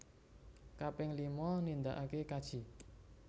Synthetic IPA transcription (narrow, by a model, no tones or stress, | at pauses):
kapɪŋlimɔnind̪aʔakekad̥ʒ̥i̤